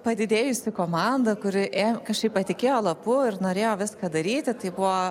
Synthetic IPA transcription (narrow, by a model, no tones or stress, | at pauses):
pɐd̪ʲɪd̪ʲeːjʊsʲɪkoːmɑnd̪ɐkʊɾʲɪʔekɐʃkɐɪppɐt̪ʲɪkʲeːjoːlˠɐpʊɪɾnoːɾʲeːjoːʋʲɪskɐːd̪ɐɾʲiːt̪ʲɪt̪ɐɪbʊʋoː